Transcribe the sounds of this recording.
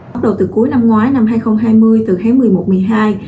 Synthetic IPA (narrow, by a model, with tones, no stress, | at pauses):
ɗə̰˨˧˩wt̪ɨ˨˩ku˨˦jna˧mŋwaː˨˦jna˧mɦaː˧jxə˧wŋ͡mɦaː˧jmɨ˧əjt̪ɨ˨˩xaː˨˦ŋmɨ˨˩əjmo˨˩t̚mɨ˨˩əjɦaː˧j